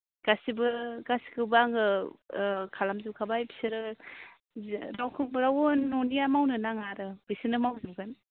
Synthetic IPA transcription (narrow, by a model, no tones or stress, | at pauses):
ɡ̥asibɯɡasi̥kɯbaŋɡɯ | kʰalamzibkʰabajbʰi̥seɾɯ | ɾawkʰɯŋbɾawonːɔnijamawnɯnaŋaɾɯbisinɯmawzimɡan